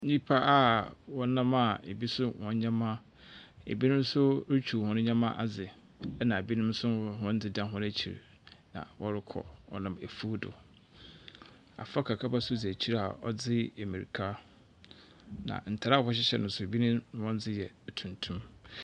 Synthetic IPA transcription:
ĩ˦pʰa˦ʔa˦wɔ˦nã˦ma˦˨e˨bi˦sʊ˦wɔ̰̃˦n˦ɲã˦mã˦ | ḛ˨bi˦nʊ̃˦m˦sʊ˦ɾɪ˦t͡ɕʰu˨hʊ̃˦nʊ̃˦ɲã˦mã˦ʔa˨d͡zɪ˨ | ɛ˦nã˨e˨bi˦nʊ̃˦m˦sʊ˦ɦɔ̃˦n˦d͡zɪ˦dã˦ɦʊ̃˦ɾæ˦t͡ɕʰi˨ɾ̰ | nã̰˨wʔɔ˦ɾɪ˦kʰɔ̰˨wɔ̰˦nã˨me˨fu˦dʊ̰˨ | a̰˨fa˦kʰa˨kʰa˦ba˦sʊ˦d͡zi˨æ˨t͡ɕʰi˦ɾa̰˨ɔ˦d͡zɪ˦e˨mĩ˨ɾi˨kʰa˦ | nã̰˨n̩˨tʰa˨ɾa˦˨hɔ˦ɕ̬ɪ˦ɕɛ̰˨nʊ̃˨n˦sʊ˦e˨bi˦nʊ̃˦wɔ̃˦n˦d͡zɪ˦jɛ˨tʰũ˨ntʰũ˦m

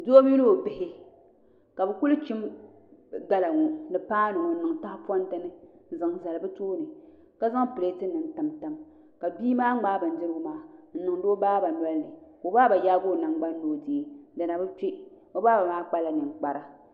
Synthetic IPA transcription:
do˦o˦m˦i˦lo˦o˨bɪ˦hɪ˦ | ka˨bɨ˨ku˦lt͡ʃi˦m | ɡa˦la˨ŋɔ˨nɨ˨paː˦nɨ˨ŋɔ˨n̩˦nɨ˨ŋta˦hpɔ˦n˦tɨ˦nɨ˦n˦zɨ˨ŋ˨za˨lbɨ˦toː˦nɨ˨ | ka˦za˦ŋ˦pɨ˨le˦tɨ˦nɨ˨n˦ta˨mta˦m | ka˨biː˦maː˦ŋ͡maː˦bɨ˨n̩˦dɨ˦ɾɡʊ˦maː˦n̩˦nɨ˨ŋdo˦baː˦ba˨n˦ɛ˦lnɨ˨ko˨baː˦ba˨jaː˦ɡo˦˨na˨ŋ˦ɡ͡ba˦n˦loː˨˦˨di˨e˨˦da˨na˨bɨ˦t͡ʃe˦ | o˦baː˦ba˨maː˦k͡pa˦la˨nɨ˨ŋ˨k͡pa˨ɾa˦

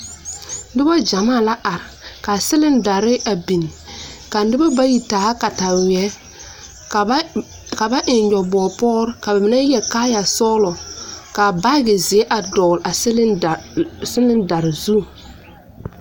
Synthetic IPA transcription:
dɪ˦ba˦d͡ʒa˨maː˦˨la˦ʔa˨ɾɪ˨ka˨sɪ˦lɪ˦nda˨ɾɪ˦ʔa˨bi˨n˨ka˨˦ɪ˦bɔ˦ba˦ji˨taː˨˦ka˨ta˨wɛ˨˦˨ | ka˨ba˦ʔɪ˨njɔ˨bɔː˨pɔː˦ɾka˨ba˨mɪ˦nɛ˦jɛ˨kaː˦ja˨sɔː˦lɔ˨ka˨ba˦ɡɪ˨zɪ˨˦ɛ˦ʔa˨dɔː˨la˨sɪ˦l | sɪ˦lɪ˦nda˨ɾɪ˨zu˦˨

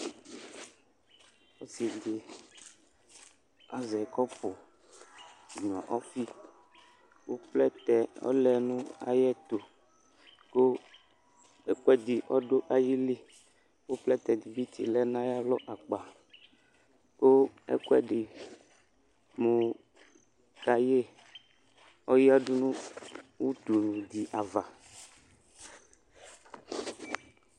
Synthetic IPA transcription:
wo˦si˨d̪i˨ | a˨zɛ˨kɔ˦po˨ | i˨ɲ˨ɔ̃˨ʔɔ˦fi˦ | wo˦plɛ˦t̪ɛ˨ɔ̰˦lɛ˨nũ˦a̰˨jɛ˦t̪o˨ | ko˦ | ɛ˦kɛ˦d̪i˨ʔɔ˦ɖo˦ʔa˨ji˦li˦ | wo˦plɛ˦t̪ɛ˨d̪i˨bi˦t̪ḭ˨lɛ˦nã˦ja˦lɔ˦ʔa˨k͡pa˨ | ko˦ɛ̰˦kwɛ˦ɖɪ˨ | mũ˨ | ka˨je˦ | ɔ˦ji˦a˦ɖu˦nũ˦wu˦t̪u˨nũ˨d̪i˨ʔa˨va˨

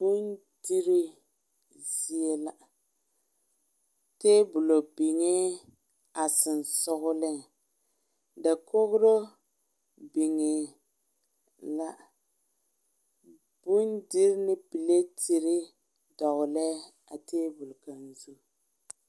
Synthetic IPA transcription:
b̥u˦n | di˦ɾi˦ | zi˦e˦la˦ | teː˦bʊ˨lo˨bi˨ŋe˦ | a˨sɪ˨n˨sʊ˦ɣʊ˦lɪ˦ | da˨ko˦ɣʊ˦ɾo˦ | bi˨ŋɪ˨ | la˦ | bu˦ndi˦ɾɪ˦nɪ˦pi˨le˦tʰi˨ɾɪ˦ | dɔ˨ɣʊ˨lɛ˦ | a̰˨teː˦bʊ˨lka˨nzu˦˨

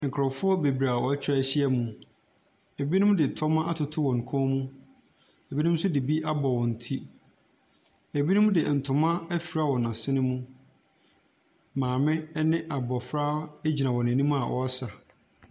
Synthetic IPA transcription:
ŋ̩˨kʰɾɔ˨fʊ˦ɔ˦be˨bi˨ɾa˨wɔ˨æ˦t͡ɕʰᶣɾa˦ɕi˦ɛ˦mũ˨ | e˨bi˦nʊ̃˦m̃˦dɪ˨tʰɔ˦mã˦ʔa˦tʰʊ˨tʰʊ˦wɔ̃˨ŋ̩˨kʰɔ̃˦mũ˦ | e˨bi˦nʊ̃˦m˦sʊ˦dɪ˨bi˦ʔa˦bɔ˨wɔ̃˨n̩˨tʰi˦ | e˨bi˦nʊ̃˦m̃˦dɪ˨n̩˨tʰʊ̃˨mã˦æ˦fi˨ɾa˦wɔ˨nã˨sɪ˦nɪ̃˦mũ˦ | mãː˨mɪ̃˦nɪ̃˦ʔa˨bɔ˨fɾaː˦e˦d͡ʑi˨nã˨wɔ˨nɪ̃˨nĩ˦m˦a˨wʔɔ̰˨a˦sa˨

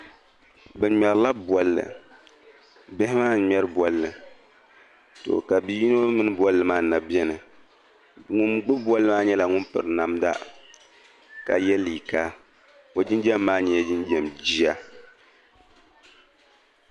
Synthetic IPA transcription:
bɨ˨ɲɛ˨ɾla˦bɔ˨lːɨ̰˨ | bɪ˦hɪ˦maː˦˨˦ɲɛ˦ɾɨ˦bɔ˨lːɨ˨ | to̰˨ka˨bi˦ji˦no˦mɨ˦nɨ˦bwɔ˦lːɨ˨maː˦na˨bɛ˦nɨ˨ | ŋʊ˨nɡ͡bɨ˦bwɔ˦lːɨ˦maː˦ɲɛ˦la˨ŋʊ˦npɨ̰˨ɾɨ˨na˨mda̰˦ | ka̰˨jɛ˦li˨ka˦ | o˨d͡ʒi˦nd͡ʒɛ˦mːaː˦ɲɛ˨jɛ˦d͡ʒi˦nd͡ʒɛ˨md͡ʒi˦a˦

